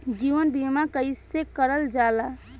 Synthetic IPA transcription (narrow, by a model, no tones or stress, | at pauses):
d͡ʒiʋənbimakəɪsekəɾəld͡ʒala